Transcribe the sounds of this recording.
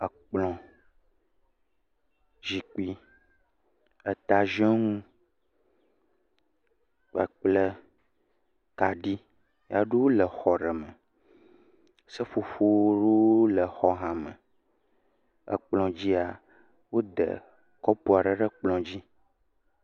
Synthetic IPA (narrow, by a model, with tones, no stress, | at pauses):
ə˨k͡plɔ̃˨ | ʒi˨k͡pi˦ | ə˨t̪a˨ʒɛ˦ŋũ˦ | ə̰˨k͡plə˦ | ka˨ɖi˦ | ja˦ɖo˦wo˦lə˨xɔ˨ɖə˨mə̃˨ | sə˦ɸo˨ɸo˦wo˦ɖo˦lə˨xɔ˦ɦã˨mə̃˨ | ə̰˨k͡plɔ̃˨d͡ʑi˦a˨ | wo˦d̪ə̰˨ | kɔ˦pu˨a˨ɖə˨ɖə˦k͡plɔ̃˨d͡ʑi˦